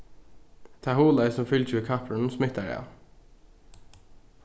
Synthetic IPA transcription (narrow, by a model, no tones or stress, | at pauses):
t̪ʰɑhuːlɑɪsɔmfʏltʰʉːkʰɑpʰɹɳ̩smɪt̪əɖɛ̰